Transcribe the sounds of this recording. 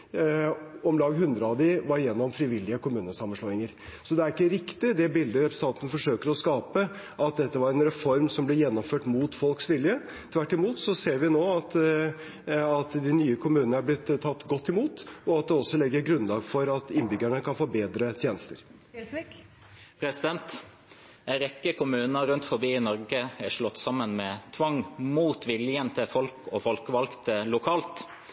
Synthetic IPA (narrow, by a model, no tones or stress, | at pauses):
ɔmlɑːɡɦʉnd̪ɾəɑʋd̪ɪʋɑɾjɛnːɔmfɾɪʋɪlːɪəkʰʊmʉːnəsɑmːənʂlɔɪŋəɾsɔd̪ɛæɾɪkːəɾɪkt̪ɪd̪ɛbɪld̪əɾɛpɾəs̩n̩ʰɑːt̪ənfɔʂøːkəɾɔskɑːpə | ʔɑt̪̚d̪ɛt̪ːəʋɑɾɛnɾɛfɔɾmsɔmblɛjɛnːɔmføːʈmuːt̪fɔlksʋɪljə | t̪ʰʋæʈːɪmuːt̪sɔseːɾʋɪnoːɑt̪ | ɑt̪d̪ɪnyːəkʰʊmʉːnəæblɪt̪ʰːɑt̪ːɡɔt̪ːɪmuːt̪ɔɑt̪̚d̪ɛɔsːɔlɛɡːəɾɡɾʉnlɑːɡfɔɾɑt̪ɪnbʏɡæɳəkʰɑnfoːbeːd̪ɾət̪ʰjeːnəst̪əɾ | pʰɾɛsɪd̪ɛnt̪ | ɛɪɾɛkːəkʊmʉːnəɾʉnt̪fɔbiːɪnɔɾɡəæʂɭɔt̪ːsɑmːənmɛt̪ʰʋɑŋmuːt̪ʋɪljənt̪ʰəfɔlkɔfɔlkəʋɑlkt̪əlʊkʰɑːlt̪